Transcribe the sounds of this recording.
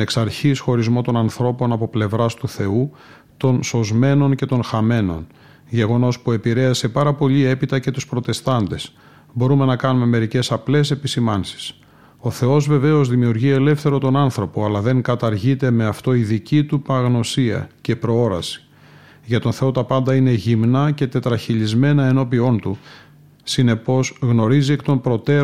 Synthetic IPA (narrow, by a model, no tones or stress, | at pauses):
eksɐɾçisxo̞ɾizmo̞t̪o̞nɐnθɾo̞po̞nɐpo̞ple̞vɾɐst̪uθe̞u | t̪o̞nso̞zme̞no̞nce̞t̪o̞nxɐme̞no̞̰n | ʝe̞ɣo̞no̞spue̞piɾe̞ɐse̞pɐɾɐpo̞ʎie̞pit̪ɐce̞t̪uspɾo̞t̪e̞st̪ɐnd̪e̞s | bo̞ɾume̞nɐkɐnume̞me̞ɾice̞sɐple̞se̞pisimɐnsi̥s | o̞θe̞o̞zve̞veo̞zðimiuɾʝie̞le̞fθe̞ɾo̞t̪o̞nɐnθɾo̞po̞ɐlɐðe̞ŋkɐt̪ɐɾʝit̪e̞me̞ɐft̪o̞iðicit̪upɐɣno̞siɐ̰ce̞pɾo̞o̞ɾɐ̰si̥ | ʝɐt̪o̞nθe̞o̞t̪ɐpɐnd̪ɐine̞ʝimnɐce̞t̪e̞t̪ɾɐçiʎizme̞nɐe̞no̞pio̞nt̪u | sine̞po̞zɣno̞ɾiziekt̪o̞mpɾo̞t̪e̞